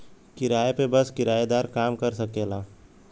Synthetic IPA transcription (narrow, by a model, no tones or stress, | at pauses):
kɪɾaːepebɐskɪɾaːjed̪aːɾkaːmkɐɾsɐkeːlaː